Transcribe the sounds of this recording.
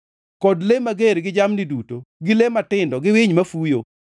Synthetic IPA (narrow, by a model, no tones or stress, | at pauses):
kɔdlemaɡeɾɡɪd͡ʒamnidutoɡɪlematɪndɔɡɪwɪɲmafujo